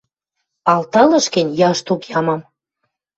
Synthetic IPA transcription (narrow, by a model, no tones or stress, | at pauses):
ɑlt̪ɑlɤ̆ʃkə̆nʲjɑʃt̪ukjɑmɑm